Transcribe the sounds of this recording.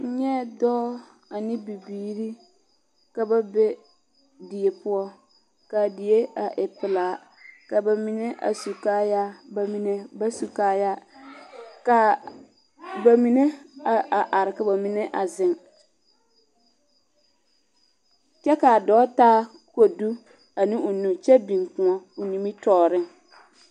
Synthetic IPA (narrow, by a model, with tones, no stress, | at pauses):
n̩˦ɲɛ˦dɔ˦ | a˨nɪ˦bi˨biː˨˦ɾi˦ | ka˨ba˦be˦ | dɪ˨e˨pʊ˦ɔ˦ | ka˨dɪ˨e˦a˨ʔɪ˨pɪ˨laː˨˦ | ka˨ba˨mi˨ne˦ʔa̰˨su˨kaː˦ja˦ba˨mi˨ne˦ba˦su˨kaː˦ja˦ | ka˨ | ba˨mi˨ne˦a˨ʔa˨ʔa˨ɾɪ˨ka˨ba˨mi˨ne˦ʔa˨zɪ˦ŋ | t͡ʃɛ˦ka˨dɔː˨˦taː˦ko˨du˦ | a˨nɪ̃˦ʊ˨nũ˨t͡ʃɛ˦bi˨ŋkʊ̃˨ŋɔ˦ʊ˨ni˨mi˦tɔː˦˨ɾɪ˦ŋ